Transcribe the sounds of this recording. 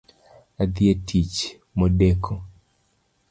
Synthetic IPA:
ad̪ɪetʰit͡ʃ | mɔdɛkʰɔ

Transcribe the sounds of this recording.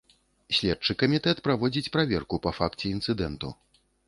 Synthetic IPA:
sʲlʲɛt͡ʂɨkɐmʲit̪ɛt̪pɾavɔd͡zʲit͡sʲpɾavʲɛ̰rkupɐfakt͡sʲɛint̪sɨd̪ɛnt̪ṵ

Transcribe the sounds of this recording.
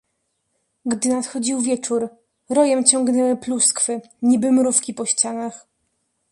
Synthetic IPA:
ɡd̪ɘnat̪xɔd͡ʑiwvʲjɛt͡ʂuɾ | ɾɔjɛmt͡ɕɔŋɡnɛwɘpluskfɘ | ɲibɘmɾufkʲipɔɕt͡ɕanax

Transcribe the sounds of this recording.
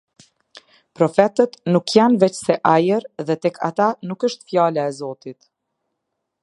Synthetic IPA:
pɾɔfɛt̪ət̪nukjanvɛt͡ɕsɛʔajəɾðɛt̪ɛkʰa̰t̪anukəʃt̪fjalaɛzɔt̪it̪

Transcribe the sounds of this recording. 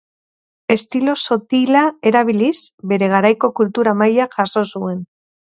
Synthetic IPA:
e̞st̪ilo̞so̞t̪ilaeɾaβ̞ilisbe̞ɾe̞ɣ̞aɾajko̞kult̪uɾamajaʝaso̞sue̞n

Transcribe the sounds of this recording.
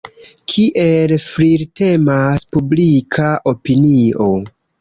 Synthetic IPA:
kʰiʔelfɾiɾte̞maspublikʰaʔo̞pinio̞

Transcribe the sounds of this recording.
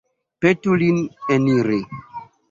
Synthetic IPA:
petulineniɾe

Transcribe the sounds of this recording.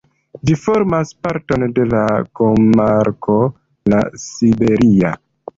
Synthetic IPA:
d͡ʒifo̞ɾmaspaɾto̞nde̞lakomaɾkʰo̞ | lasibe̞ɾia̰

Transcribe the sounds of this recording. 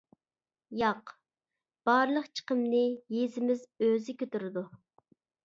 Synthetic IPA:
jɑq | b̥ɑɾlˠəqt͡ʃʰə̥qəmnɪjezɪmɪzøzɪkʲʰøt̪yɾɪd̪u

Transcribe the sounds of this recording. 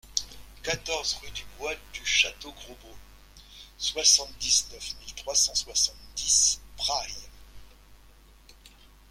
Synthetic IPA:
kat̪ɔʁzʁyd̪ybwald̪yʃat̪oɡʁobo | swasɑ̃t̪d̪iznœfmilt̪χwasɑ̃swasɑ̃t̪d̪ispχaj

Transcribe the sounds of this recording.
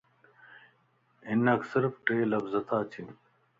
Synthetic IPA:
inɐksiɾfʈeːlɐbzɐt̪ʰaːt͡ɕʰi

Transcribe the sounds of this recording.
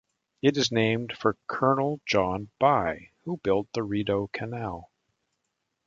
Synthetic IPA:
ɨɾɨznẽɪ̃md̥fə˞kʰɜ˞nl̩ˠd͡ʒɑ̃nb̥aɪhubɪlˠt̪̚ðɨɹiɾoʊkʰɨnælˠ

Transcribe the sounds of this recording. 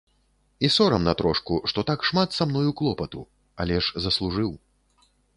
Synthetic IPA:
isɔɾɐmnɐt̪ɾɔʂkuʂt̪ɔt̪akʂmat̪samnɔjuklˠɔpɐt̪ṵ | a̰lʲɛʐzɐslˠuʐɨw

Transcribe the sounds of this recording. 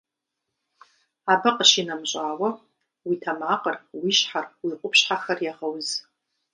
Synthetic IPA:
abɨqʼəʃinamɕʷʼaːwa | witʰamaqʼərwiʃħarwiqʷʼʊpʰʃħaxarjaʁəwz

